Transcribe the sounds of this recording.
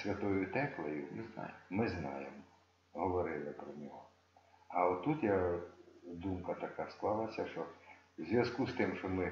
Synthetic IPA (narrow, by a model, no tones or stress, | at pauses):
sʲʋʲɐt̪ɔjʊt̪ɛklˠɐjʊmz̰jmɪznɑ̰jemɔ | ɦɔʋɔɾɪlˠɪpɾɔnʲɔɦɔ | ɐɔt̪ːut̪ja | d̪umkɐt̪ɐkasklˠɑlˠɐsʲɐʃɔ | zʲʋʲɐzkust̪ɪmʃɔmɪ